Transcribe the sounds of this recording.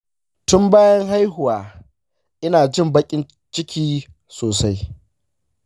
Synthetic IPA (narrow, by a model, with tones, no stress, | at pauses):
tʊ˦mbaː˦jɐ˦ŋɦa˦jɦʊ˨waː˨ | ʔɪ˦naː˨d͡ʒɪ˦˨mbɐ˦kʲʼɪ˦n | t͡ʃɪ˦kʲʰiː˦ | soː˨sa˦j